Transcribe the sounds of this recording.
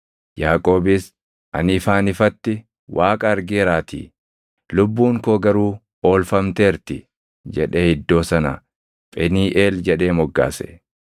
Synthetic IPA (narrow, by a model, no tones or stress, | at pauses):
jaːkʼo̞ːbɪs | ʔɐ̰nɪːfaːnɪfɐt̪ːɪ | wʔaːkʼɐːɾɡɪːɾaːt̪ʰḭː | lʊbːuːŋkoːɡɐɾuː | o̞ːlfɐmt̪eːɾt̪ɪ | d͡ʒɛᶑehɪd̪ːo̞ːsɐnɐ̰ | pʼɛniːʔe̞ːld͡ʒɛᶑe̞ːmɔɡːa̰ːsɛ̰